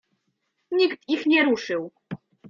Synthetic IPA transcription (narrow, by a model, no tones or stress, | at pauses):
ɲikt̪ixɲɛɾuʂɘw